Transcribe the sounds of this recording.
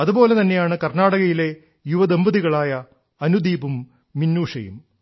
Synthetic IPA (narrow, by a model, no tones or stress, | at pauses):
ɐðubo̞ːle̞t̪ɐnːe̞jaːɳɨkɐrnaːɽɐɣɐjile̞ | juʋɐd̪embɐðiɣɐɭaːjɐ | ɐnud̪iːbumː | inːuːʂɐjṵm